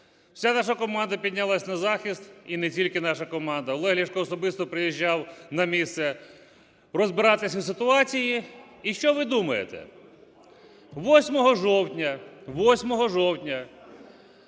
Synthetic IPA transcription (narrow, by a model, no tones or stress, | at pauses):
wsʲanɑʃ̬ɐkɔmɑnd̪ɐpʲid̪ʲnʲɐlˠasʲnɐzɑxʲist̪inɛtʲilʲkɪnɑʃɐkɔmɑnd̪ɐɔlˠɛɦlʲiʃkɔːsɔbɪst̪ɔpɾɪjiʒʲːawnɐmʲist̪sɛ | rɔzbɪɾɑt̪ɪsʲwsɪt̪ʊɑt͡sʲiji | iʃt͡ʃɔʋɪd̪umɐjḛt̪ɛ̰ | ʋɔsʲmɔɦɔʒɔwtʲnʲɐʋɔsʲmɔɦɔʒɔwtʲnʲɐ